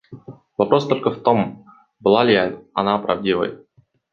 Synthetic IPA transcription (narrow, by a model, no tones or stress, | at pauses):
vɐpɾo̞st̪o̞lʲkəft̪o̞m | bɨlˠalʲjajt̪ɐnapɾɐvdʲivə̰j